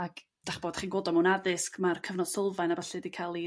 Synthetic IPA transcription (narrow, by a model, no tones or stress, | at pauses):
ak | d̥aχb̥oːd̥χiːnɡwoːdɔmunaðɪskmarkʰəvnɔd̥sɪlˠvajnabəɬɛdikʰalˠi